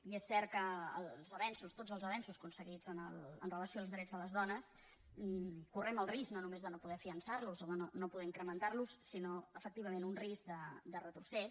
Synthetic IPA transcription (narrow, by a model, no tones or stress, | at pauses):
iesːɛɾt̪̚kə̰ːllˠzəβɛnsust̪od͡zəlˠzəβɛnsuskunsəɣid͡zənəlˠə̰nrələsioaːlzðɾɛd͡zðələzðɔnəs | kurɛməlˠrisknonumezðənopuðɛəfiənsaɾluzoðənonopuðɛiŋkɾəmənt̪aɾlusːinoəfək̚t̪iβ̞əmẽnunrisk̚d̪əd̪ərət̪ɾusɛs